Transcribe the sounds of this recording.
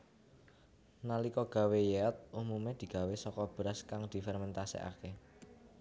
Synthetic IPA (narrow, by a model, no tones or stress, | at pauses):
nalikɔɡ̥ä̤wejeɔt̪̚ʔumumed̪̥i̤ɡ̥a̤wesɔkɔb̥ɾaskaŋd̪̥i̤fɛrmɛnt̪asḛʔa̰ke